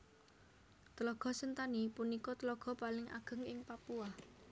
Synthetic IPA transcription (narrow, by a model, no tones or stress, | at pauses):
t̪əlɔɡ̥ɔ̤sənt̪anipunikɔt̪əlɔɡ̥ɔ̤palɪŋʔa̰ɡ̥ə̤ŋɪŋpapua